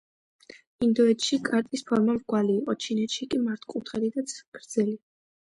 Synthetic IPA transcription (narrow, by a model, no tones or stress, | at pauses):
ind̪ɔɛt̪ʃikʼaɾt̪ʼispʰɔɾmamvɡwaliːqʼɔt͡ʃʰinɛt̪ʃikʼimaɾt̪ʰkʼut̪ʰχɛd̪id̪at̪sɡ̥ɾd̪z̥ɛli